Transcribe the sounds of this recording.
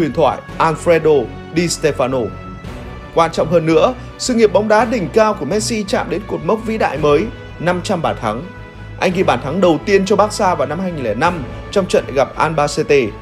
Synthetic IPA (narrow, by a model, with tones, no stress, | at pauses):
wi˨˩ənt̪ʰwa̰ː˧˨jʔaː˧nfɾe˧ɗo˧ | ɗi˧st̪e˧faː˧no˧ | kwaː˧nt͡ɕɔ̰˧˨wŋ͡mhəː˧nːɨ̰˧˥ə | sɨ̰˧˨ŋi˨˩əp̚ɓɔ˨˦wŋ͡mɗaː˨˦ɗï˨˩ŋ̟kaː˧wku˧˩əmɛ˦˥t̚si˧t͡ɕa̰ː˧˨mɗe˨˦nku˨˩t̚mə˦˥p̚vḭ˧˥ɗa̰ː˧˨jməː˨˦j | na˧mt͡ɕa˧mɓaː˧˩t̪ʰa˨˦ŋ | ʔa˧jŋ̟ɣḭ˧˨˩ɓaː˧˩t̪ʰa˨˦ŋɗə˨˩wt̪i˧ənt͡ɕɔ˧ɓaː˦˥k̚saː˧vaː˨˩wna˧mhaː˧jŋi˨˩lɛː˧˨˩na˧m | t͡ɕɔ˧wŋ͡mt͡ɕə̰˧˨n˨ɣa˨˩p̚ʔaː˧nɓaː˧se˧t̪e˧